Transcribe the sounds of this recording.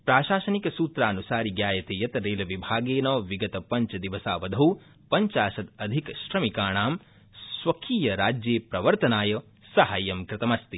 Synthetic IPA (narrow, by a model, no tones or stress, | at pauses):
pɾaːʃaːʃɐnikɐsuːt̪ɾaːnusaːɾiɡjaːjɐt̪eːjɐt̪ɐɾeːlɐʋibʱaːɡeːnɔːʋiɡɐt̪ɐpɐɲt͡ʃɐd̪iʋɐsaːʋɐd̪ʱɐw | pɐɲt͡ʃaːʃɐd̪ɐd̪ʱikʃɾɐmikaːɳaːm | sʋɐkʰiːjɐɾaːd͡ʒjeːpɾɐʋɐɾt̪ɐnaːjɐ | sɐɦajɐmkɾɪt̪ɐmɐst̪i